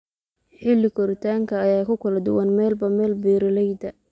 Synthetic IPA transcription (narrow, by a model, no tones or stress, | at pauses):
ħɪlːɪkʰɔɾɪt̪ʰaːŋkʰɐːjaːkʰʊkʰɐlɐd̪ʊ̰wɐnmɛːlbɐmɛːlbɛːɾɪlɛjd̪ɐ